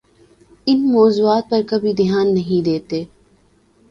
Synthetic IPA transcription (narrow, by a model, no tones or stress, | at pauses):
ɪnmɔːzuːaːt̪̚pɐɾkɐbʱid̪ɪjaːnːɐɦĩd̪eːt̪eː